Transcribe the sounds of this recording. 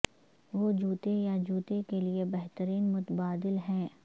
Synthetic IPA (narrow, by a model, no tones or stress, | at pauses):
ʋoːd͡ʒuːt̪ejad͡ʒuːt̪ekeliebɛɦt̪əɾiːnmʊt̪əbaːd̪ɪlɦɛ̃ː